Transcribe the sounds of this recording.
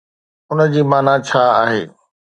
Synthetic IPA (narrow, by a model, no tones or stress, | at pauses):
ʊnəd͡ʑiːmaːnat͡ɕʰaːaːɦḛː